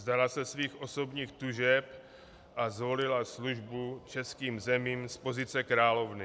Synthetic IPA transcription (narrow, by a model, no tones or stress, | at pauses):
zd̪alasɛsviːxʔo̞so̞bɲiːxt̪uʒɛp | ʔazvo̞lɪlasluʒbut͡ʃɛskiːmzɛmiːmspo̞zɪt͡sɛkɾaːlo̞vnɪ